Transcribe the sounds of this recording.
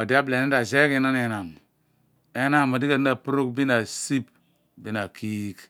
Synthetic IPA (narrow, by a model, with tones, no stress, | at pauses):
a˨di˦a˦ble˨ni˦da˨ze˦ke˦na˦ne˦na˨m | e˦na˦˨ma˨di˦ka˨di˦na˨pu˦ɾu˦kbi˦na˨si˦b̚ | bi˦na˨ki˦k